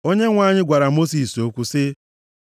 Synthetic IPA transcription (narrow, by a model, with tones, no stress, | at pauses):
o˦ɲe˦ŋʷa˦ɲɪ˦ɡʷa˨ɾa˨mo˦si˨so˦kʷu˦sɪ˦